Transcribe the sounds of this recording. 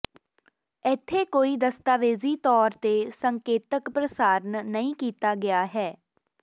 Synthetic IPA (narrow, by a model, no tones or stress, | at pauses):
ɪt̪ʰːeːkoːiːd̪əst̪aːʋeːziːt̪ɔːɾt̪eːsəŋkeːt̪əkpɾəsaːɾnnəĩːkiːt̪aːɡɪaːɦɛː